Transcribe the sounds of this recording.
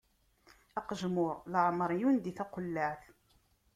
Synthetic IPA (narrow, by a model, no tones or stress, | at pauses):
æqəʒmʊɾləʕmɾˤjund̪iθæqolːaʕθ